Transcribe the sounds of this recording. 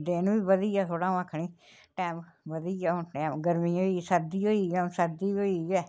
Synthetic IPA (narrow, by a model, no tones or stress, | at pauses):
d̪eːnũːiːbəd̪iːaːt̪ʰoːɽãːʋãːkʰɳiː | ʈɛːmʋəd̪iːaːʊʈɛːmɡəɾmiːoːiːsəd̪iːɦoːiːɡɛːsəɾd̪iːoːiːɡɛː